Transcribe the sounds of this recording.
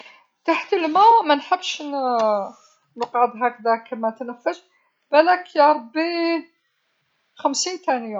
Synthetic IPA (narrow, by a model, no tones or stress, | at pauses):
t̪aħt̪əlmæmænħəbːʃn | nəqʕəd̪ˤɦækd̪ækəmæt̪nəfːəʃ | b̥ælækjɑɾˤbin | xæmsint̪ænjæ